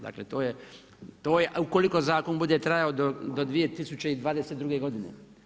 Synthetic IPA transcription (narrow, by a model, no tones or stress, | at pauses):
d̪a̰ːklet̪oːje | t̪oːjeʔuko̞liko̞zaːkonbud̪et̪ɾajaod̪od̪od̪ʋijet̪isut͡ɕeid̪ʋaːd̪eset̪d̪ɾuɡe̞ɡo̞d̪inḛ